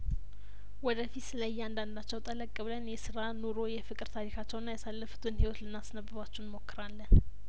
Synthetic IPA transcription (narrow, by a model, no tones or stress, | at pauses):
wɔd̪əfit̪sɨləjːɛand̪and̪at͡ʃːɛwt̪ʼələkʼːəβlənjɛsɨɾanoɾo̞jɛfɨkʼɾt̪ʰaɾikʰat͡ʃːɛwnːajasalːəfu̥t̪ʰɨnhewot̪lɨnːasnəbɨβat͡ʃːunmo̞kːɨɾalːən